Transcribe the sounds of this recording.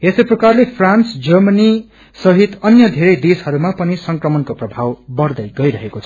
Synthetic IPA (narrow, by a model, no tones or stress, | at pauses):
esʌjprʌkarlepʰransd͡zʌrmʌni | sʌɦit̪ʌnjʌd̪ʱeɾʌjd̪eshʌɾumapʌnisʌŋkrʌmʌnkoprʌbʱawbʌrd̪ʌjɡʌjɾʌɦekot͡sʰʌ̥